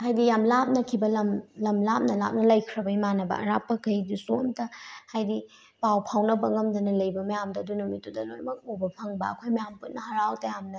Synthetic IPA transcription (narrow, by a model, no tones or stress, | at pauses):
ɦajdijamlap̚nɐkʰibɐlɐmlɐmlap̚nɐla̰p̚nɐlɐjkʰɾɐbɐjmanɐbɐ̰ɐ̰ɾa̰pːɐkɐjdusomtɐhajdi | pawpʰawnɐbɐŋɐmdɐnɐlɐjbɐmɐjamdɐɐdunɐmitudɐlojmɐk̚obɐpʰɐŋbɐɐkʰojmɐjamput̚nɐhɐɾawtɐjamnɐ